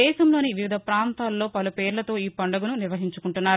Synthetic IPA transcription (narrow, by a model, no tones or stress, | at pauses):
ɛːʃɐmlo̞ːniʋiʋid̪ʱɐpɾaːnt̪aːlːo̞ːpɐlupeːɾlɐt̪o̞ːiːpɐɳɖɐɡununiɾʋɐɦiɲt͡ʃukuɳʈunːaːɾu